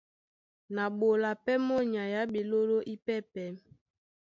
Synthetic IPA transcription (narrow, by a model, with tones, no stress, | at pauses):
na˨ɓo˨la˨pɛ˦mɔ˦ɲa˨ja˨˦ɓe˨lo˦ɾo˦ʔi˦pɛ˦˨pɛ˨˦m